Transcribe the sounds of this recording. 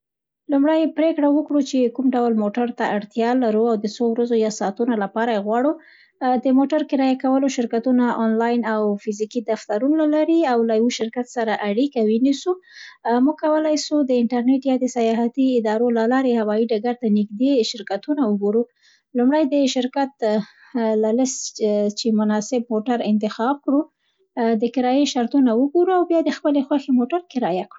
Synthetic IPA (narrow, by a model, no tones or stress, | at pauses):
lumɽajpɾekɽawəkɽut͡ʃekumɖawlmoʈaɾt̪aaɽt̪jɑlaɾuawd̪əsowɾazojasɑt̪unalapɑɾajeɣwɑɽu | d̪əmoʈaɾkɪɾɑjakawəloʃɪɾkat̪unaʔɑnlɑjnawfɪzikid̪aft̪aɾunalaɾiawlajwəʃɪɾkat̪saɾaʔaɽikawinisumuɡ̚kawəlajsud̪əɪnʈaɾneʈjɑd̪əsajɑɦat̪iɪd̪ɑɾolalɑɾehawɑiɖaɡaɾt̪anɪɡd̪eʃɪɾkat̪unawəɡoɾu | lumɽajd̪əʃɪɾkat̪ | lalɪst̪t͡ʃemʊnɑsɪb̚moʈaɾɪnt̪ɪxɑb̚kɽu | d̪əkɪɾɑjeʃaɾt̪unawəɡoɾuawbjɑd̪əxpəlexwaxemoʈaɾkɪɾɑjakɽu